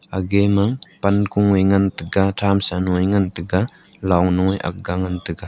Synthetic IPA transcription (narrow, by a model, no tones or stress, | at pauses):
aɡemaŋpankuŋejŋantɯɡatʰamsanuŋɔjŋantɯɡa | lawŋnuŋɔjʔa̰k̚ɡaŋantɯɡa